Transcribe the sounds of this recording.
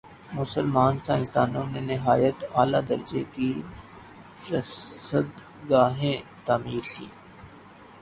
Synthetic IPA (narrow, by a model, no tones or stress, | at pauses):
mʊsəlmaːnsãːɪ̃st̪aːnõnenɪɦaːjət̪aːlad̪ɐɾd͡ʒeki | ɾɐssəd̪ | ɡaːɦẽt̪aːmiːɾkḭː